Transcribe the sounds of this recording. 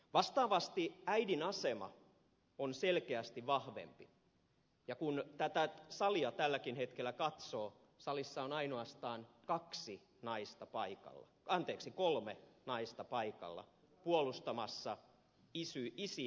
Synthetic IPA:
ʋɑst̪ɑːʋɑst̪iæidinɑsemɑ̰ | onselkeæst̪iʋʋɑhʋḛmpi | jɑkunt̪æt̪æsɑliɑt̪ælːækinhet̪kelːˑækɑt̪soː | sɑlisːɑonɑinoɑst̪ɑːnkɑksi | nɑist̪ɑpɑikɑ̰lːɑ̰ɑnt̪eːksikolmenɑist̪ɑpɑikɑ̰lːɑ̰ | puolust̪ɑmɑsːɑ | isyisi

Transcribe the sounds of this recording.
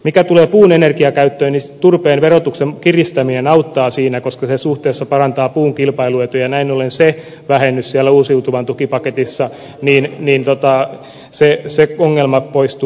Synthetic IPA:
mikæt̪uleːpuːnenerkiɑkæyt̪ːøːnit̪urpeːnʋerot̪uksemkirist̪æminenɑut̪ːɑːsiːnækoskɑsesuht̪eːsːɑpɑrɑnt̪ɑːpuːŋkilpɑiluet̪ujɑnæinolense | ʋæhenːyssiælːæuːsiut̪uʋɑnt̪ukipɑket̪isːɑ | niːnniːnt̪ot̪ɑ | seseoŋːelmɑpoist̪u

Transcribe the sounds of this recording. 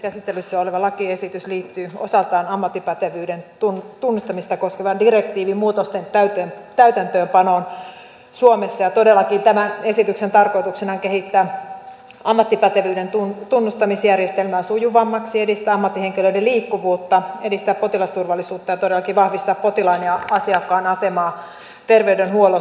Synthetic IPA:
kæsit̪ːelysːeoleʋɑlɑkiesit̪ysliːt̪ːyːo̰sɑlt̪ɑːnɑmːɑt̪ːipɑt̪eʋyːdent̪unt̪unːust̪ɑmist̪ɑko̞skeʋɑndirekt̪iːʋimmuːt̪ost̪ent̪æyt̪øt̪æyt̪ænt̪øːmpɑnoːn | suomesːɑjɑt̪odelːɑkint̪æmæe̞sit̪yksent̪ɑrko̞it̪uksenɑŋkehit̪ːæː | ʔɑmːɑt̪ːipɑt̪eʋyːdent̪unt̪unːust̪ɑmisjærjest̪elmæːnsujuʋɑmːɑksiedist̪æːɑmːɑt̪ːiheŋkiløideliːkːuʋuːt̪ːɑedist̪æːppot̪ilɑst̪urʋɑlːˑisuːt̪ːɑjɑt̪odelːɑkiʋɑhʋist̪ɑppo̞t̪ilɑineɑɑsiɑkːɑːnɑsemɑː | t̪erʋeydenhuolo

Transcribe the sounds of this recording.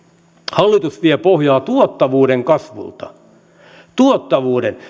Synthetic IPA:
hɑlːit̪usʋiepohjɑːt̪uot̪ːɑʋuːɾeŋkɑsʋṵlt̪ɑ̰ | t̪uot̪ːɑʋuːden

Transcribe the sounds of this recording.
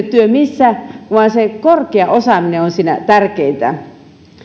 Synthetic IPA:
t̪t̪yømisːæʋɑnsekorkeɑʔosɑmineonsiːnæ̰t̪ærkeint̪æ̰

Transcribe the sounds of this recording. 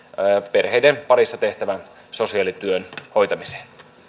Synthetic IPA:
pe̞rhejdenpɑɾisːɑt̪e̞ht̪æʋæn | so̞siɑlit̪yønho̞jt̪ɑmise̥ːn

